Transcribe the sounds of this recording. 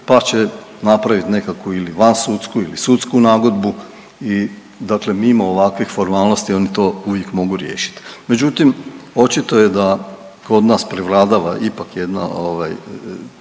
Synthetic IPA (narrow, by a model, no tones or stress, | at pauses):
pat͡ɕenapɾaʋit̪ne̞kakuiliʋansut̪skuilisut̪skunaːɡo̞d̪bu | i | d̪akle̞mimooʋakʋixfo̞ɾmaːlno̞st̪io̞nit̪o̞ːuʋjekmo̞ɡuɾje̞̰ːʃi̥t̪me̞d͡ʒut̪imo̞t͡ʃit̪o̞jed̪a | ko̞d̪naːspɾiʋɾaːd̪aʋaʔipakjed̪na̰oʋaj